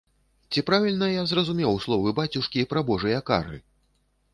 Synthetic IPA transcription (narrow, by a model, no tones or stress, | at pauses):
t͡sʲipɾavʲilʲnɐjazrɐzumʲɛwslˠɔvɨbat͡sʲuʂkʲipɾɐbɔʐɨjɐka̰rɨ̰